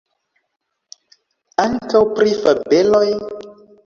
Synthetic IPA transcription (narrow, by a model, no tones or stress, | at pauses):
aŋkawpɾifabeloj